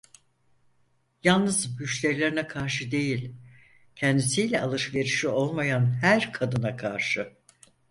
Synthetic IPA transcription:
jalˠnɯzbyʃlʲeɾlʲeɾinɛkʰaɾʃɯd̪e̞jilʲ | cʰɛnd̪isijlʲɛalˠɯʃve̞ɾiʃio̞lˠmajanhæɾkʰad̪ɯnakʰaɾʃɯ

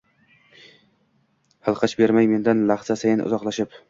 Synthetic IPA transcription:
hɨlˠqʰɑt͡ʃbe̞ɾmajme̞nd̪anlaχzasajɪnʊ̰zɒqlaʃɪp

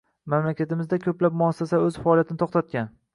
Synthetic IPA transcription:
mamlakʲat̪ɪmɪzd̪akʲʰɵplap̚mʊasːasaɵzfaɒlijat̪ʰɪnɪt̪ʰoχt̪ʰat̪̚kʲan

